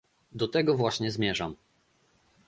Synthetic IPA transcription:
d̪ɔt̪ɛɡɔvwaɕɲɛzmʲjɛʐam

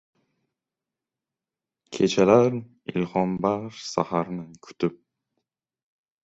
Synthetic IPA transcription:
kʲʰe̞t͡ʃʰalaɾ | ɪ̰lhɒmbaɾsahaɾnɪkʰʊ̥t̪ʰɪp̚

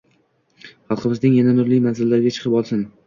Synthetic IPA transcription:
χɑlˠqʰɨbɪznɪŋjananʊɾlɪjmanzɪlːaɾɪɡʲat͡ʃʰɨ̥qʰɨpɒlˠsɪn

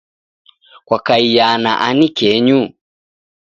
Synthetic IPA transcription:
kwakaijana̰ʔanikɛɲu

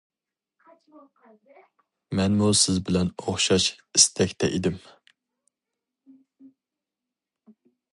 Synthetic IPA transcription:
mɛnmusɪzbɪlɛnoχʃɑʃist̪ʰɛkʲt̪ʰɛʔid̪ɪm

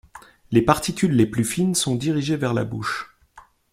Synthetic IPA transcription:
lepaʁt̪ikʲylːeplyfinsɔ̃d̪iʁiʒevɛʁla̰bṵʃ

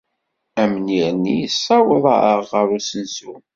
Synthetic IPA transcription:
æmniɾnːijəsːɑwəðˤɑ̰əʁəɾusənsun

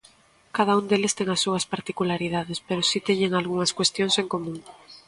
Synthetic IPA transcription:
kað̞aund̪elɪst̪eŋɐsːuɐspaɾt̪ikulaɾiðaðespeɾosit̪eɲeŋalɣuŋɐskwest̪joŋseŋkomũŋ

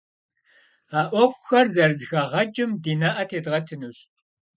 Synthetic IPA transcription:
aːʔʷɔkʷʼʊxɐrzɐrzɨxɐʁɐd͡ʒɪmdiːnɐʔɐtʰeːdʁɐtʰɨnuɕ

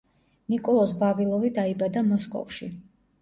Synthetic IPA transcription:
nikʼɔlˠɔsʁavilˠɔvid̪aibad̪amɔskʼɔ̰fʃḭ

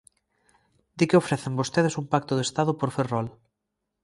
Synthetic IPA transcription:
d̪ikeofɾɛθembost̪eð̞esumpak̚t̪ʊðest̪aðʊpoɾferɔl

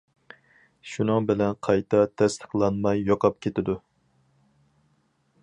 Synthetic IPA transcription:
ʃunɨŋbɪlɛnqʰɑjt̪ʰɑt̪ʰɛst̪ʰə̥χlˠɑnmɑjːoqʰɑp̚kʲʰet̪ɪd̪u

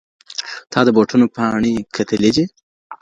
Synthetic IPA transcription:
t̪ʰɑd̪əboʈunopɑɳikʰɐt̪ʰəled͡ʒe

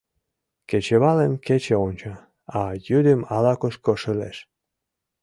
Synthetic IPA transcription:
ket͡ɕeβɑlemket͡ɕeonʲt͡ɕɑ | ɑjyd̪əmɑlɑkoʃkoʃəlḛʃ

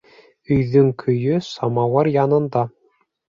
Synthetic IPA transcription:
ɵ̆jðɵŋkʰɵ̆jɵsɑmɑwɑɾjɑnɤ̆nd̪ɑ

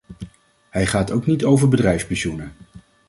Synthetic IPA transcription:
ɦɛjχaːtowknitowvəɹbədrɛjfspisunə

